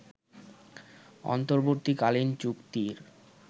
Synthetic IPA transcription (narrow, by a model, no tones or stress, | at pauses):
ɔ̰nt̪oɾboɾt̪ikalint͡ɕukt̪iɾ